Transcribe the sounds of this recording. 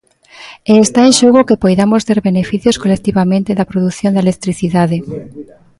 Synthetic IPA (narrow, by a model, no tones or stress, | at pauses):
eːst̪aẽnʃoɣokepojðamost̪eɾβenefiθjoskolek̚t̪iβamẽnt̪eðɐpɾoðuθjõnd̪aelek̚t̪ɾiθiðaðe